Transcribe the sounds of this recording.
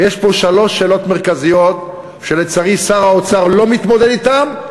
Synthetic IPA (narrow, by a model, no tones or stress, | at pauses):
jeʃpo̞ʃalo̞ʃe̞ːlo̞t̪meʁkazijo̞t̪ | ʃelet͡saʁisaʁaot͡saʁlo̞mit̪mo̞d̪ed̪it̪am